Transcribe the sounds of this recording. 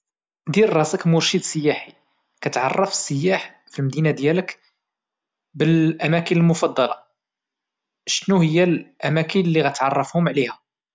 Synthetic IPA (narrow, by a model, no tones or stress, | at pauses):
d̪iɾrˤɑsəkmʊɾʃid̪səjːæħi | kæt̪ʕɑ̰rˤːɑfə̥sːəjːaħ | filmd̪inad̪jælək | bəlʔæmækənəlmʊfɑd̪ˤːɑlɑ̰ | ʃnuhəjːælʔæmækənlːiɣæt̪ʕɑrˤːɑfhʊmʕlihæ